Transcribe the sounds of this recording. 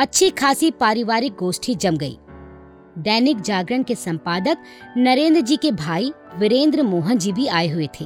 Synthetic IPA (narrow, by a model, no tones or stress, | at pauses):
ɐtːʃʰikʰaːsipaːɾɪʋaːɾɪk̚ɡoːsʈʰid͡ʒɐmɡɐḭː | d̪ɛːnɪkd͡ʒaːɡɾəɽ̃kesɐ̃mpaːd̪ək | nɐɾẽːnd̪ɾəd͡ʒiːkebʱaːi | ʋɪɾẽːnd̪ɾəmoːɦənd͡ʒibʱiaːeɦʊet̪ʰeː